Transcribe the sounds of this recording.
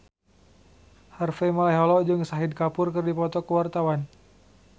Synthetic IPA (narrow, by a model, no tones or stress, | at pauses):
harfɛmalaɦɔlɔd͡ʒɨŋsaɦid̚kapʊrkərdipɔt̪ɔkəwart̪awan